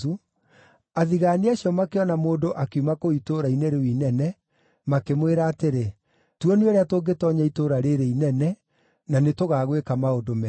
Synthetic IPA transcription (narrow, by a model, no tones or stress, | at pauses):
u | aðiɣaːniaɕjɔmakeɔnamoːndoʔakeumakoitoɾainɛɾewinɛnɛ | makemweɾaːteɾe | tuɔnieɾeatoɡetɔɲaitoɾaɾeɾeinɛnɛ | nanetoɣaːɣwekamaodomɛ